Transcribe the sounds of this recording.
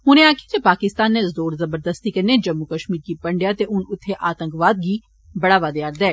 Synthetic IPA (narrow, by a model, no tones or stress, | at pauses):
ɦʊnẽaːkied͡ʒ̪epaːkɪst̪aːnːezoːɾzɐbəɾd̪əst̪ikɐɾned͡ʒɐmːukəʃmiːɾkipɐ̃ɳɖjat̪eʔʊnʊt̪ʰːeʔaːt̪ə̃ŋkʋaːd̪̚ɡi | bɐɽaːʋaːd̪eaːɾd̪ɛː